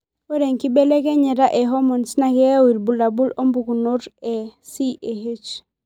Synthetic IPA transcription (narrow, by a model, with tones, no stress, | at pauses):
o˦ɾe˨ŋki˦be˦le˦kɛ˦ɲɛ˨ɾa˦ʔɛ˨ɦɔ˦mɔ˨nsna˨kɛ˦a˦wi˨lbu˨la˨bu˦lo˦mbu˨ɡu˨no˦ɾɛ˨si˦ʔe˨ɦe˦t͡ʃ